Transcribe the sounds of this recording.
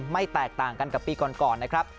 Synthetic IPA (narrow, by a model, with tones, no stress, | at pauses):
ma˥˩jt̪ɛː˨˩k̚t̪aː˨˩ŋka˧nka˨˩pːiː˧kɔː˨˩nkɔː˨˩nːa˦˥kʰɾa˦˥p̚